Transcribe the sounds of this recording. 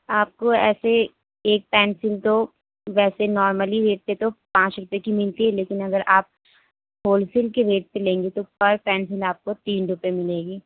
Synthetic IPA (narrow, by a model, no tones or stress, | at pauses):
aːp̚koɛ̰ːse | eːk̚pɛːnsɪlt̪o | ʋɛːsenɔːɾməliɾeːʈ̚pet̪opãːt͡ʃɾʊpekimɪlt̪iɦɛleːkɪnɐɡəɾʔaːp̚ | ɦoːlsɪlkeɾeːʈ̚pelẽːŋɡet̪opɐɾpɛːnsɪlaːp̚kot̪iːnɾʊpemɪleːɡiː